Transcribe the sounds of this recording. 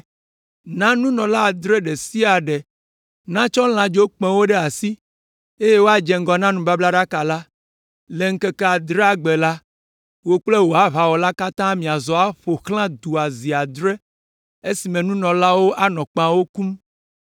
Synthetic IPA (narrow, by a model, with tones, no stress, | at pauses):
nã˦nũ˦nɔ̃˨la˦a˨d̪ɾɛ˦ɖe˨si˦a˨ɖe˨ | nã˦t͡ʃɔ˦l̃ã˨d͡ʒo˦k͡pɛ̃˦wo˦ɖe˦a˨si˦ | e˦je˦wo˦a˦d͡ʒɛ˨ŋ̩˦ɡɔ˨nã˦nũ˦ba˦bla˦ɖa˦ka˨la˦ | le˨ŋ̩˦ke˦ke˦a˨d̪ɾe˦a˨ɡ͡be˨la˦ | wo˦k͡ple˦wo˨a˦βa˨wɔ˨la˦ka˦t̪ã˦mĩ˨a˨zɔ˨a˦ɸo˨xlã˦d̪u˨a˨zi˨a˨d̪ɾe˦ | e˦si˨mɛ̃˨nũ˦nɔ̃˨la˦wo˦ʔa˦nɔ̃˨k͡pã˦wo˦ku˦m